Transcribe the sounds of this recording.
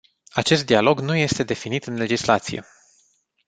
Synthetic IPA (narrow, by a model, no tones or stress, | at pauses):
at͡ʃe̞st̪̚d̪ialo̞ɡnuje̞st̪e̞d̪e̞finit̪ɨnle̞d͡ʒislat̪sijḛ